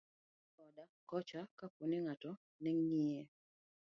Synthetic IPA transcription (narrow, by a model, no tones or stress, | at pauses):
ɔdakɔt͡ʃakakonɪŋatɔ | nɛŋːiɛ